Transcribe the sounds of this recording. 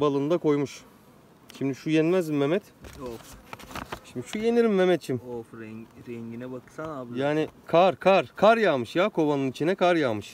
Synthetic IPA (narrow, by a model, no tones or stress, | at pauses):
balˠɯnd̪ako̞jmuʃ | ʃimd̪iʃujɛnmæzimmːemɛt̪of | ʃimd̪iʃujeniɾimːemɛt̪t͡ʃʰimofɾɛɾɛɲɟinɛbakɯ̥sanaːbjaːnɪkʰaɾkʰaɾkʰaɾjaːmɯʃjaːkʰo̞banɯnit͡ʃʰinɛkʰaɾjaːmɯʃ